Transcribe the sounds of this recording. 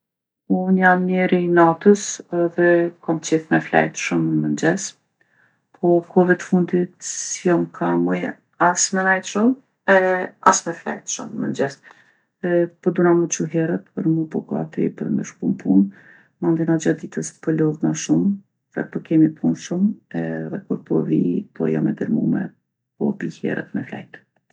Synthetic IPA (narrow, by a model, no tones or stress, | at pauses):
unjamːjɛɾinat̪əsɛðɛkɔmt͡ɕiθmɛflɛ̰jt̪ʃəmːənd͡ʑɛs | pʰɔkʰɔvɛt̪ə̥fund̪it̪sjɔmkʰamuj | asmɛnajt̪ʃəm | ɛa̰smɛflɛ̰jt̪ʃə̰mːə̰nd͡ʒɛs | ɛpɔd̪unamət͡ʃuɦɛɾət̪pəɾmupɔkɔa̰t̪ɾḭpəɾmɛʃkumpʰun | mand̪inad͡ʒad̪it̪əspəlɔðnaʃum | ðɛ̰pɔkɛmipʰunʃumɛðɛkuɾpɔvḭpʰɔ̰ja̰mɛd̪əɾmumɛ̰ | kɔ̰bihɛ̰ɾə̰t̪mɛfla̰jt̪